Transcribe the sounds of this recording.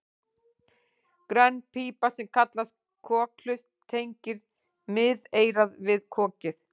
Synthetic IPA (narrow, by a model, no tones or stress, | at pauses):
kɾœnːpʰiːpasɛmkʰat̪last̪ | kʰɔːklʏst̪ʰːejɲcɪɾ | mɪðeːjɾaðvɪðkʰɔːcɪθ